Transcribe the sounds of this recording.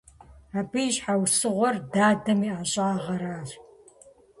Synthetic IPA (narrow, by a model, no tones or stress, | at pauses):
aːbɨɕħawsɨʁʷɔrdaːdɐmiːʔaɕʼaːʁɐɾaːr